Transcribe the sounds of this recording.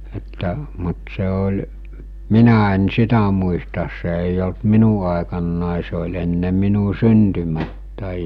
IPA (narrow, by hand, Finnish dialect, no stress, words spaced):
etːæ mut se olʲ minæ en sitæ muistɑs se eˑij olt minu ɑˑekɑnːɑˑe se olʲ enːe minu syntymætːæˑi